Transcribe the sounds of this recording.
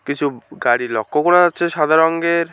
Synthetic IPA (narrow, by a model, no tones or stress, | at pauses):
kit͡ɕʰuɡaɽilɔkːokɔɽaat͡ɕʰeʃad̪ʱaɾɔŋɡeɾ